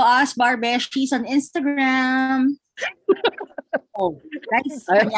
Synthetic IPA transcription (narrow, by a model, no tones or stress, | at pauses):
ʔasbaɹbɛʃt͡ʃisɔ̃nɪ̃nst̪ɐɡɹam | onaɪs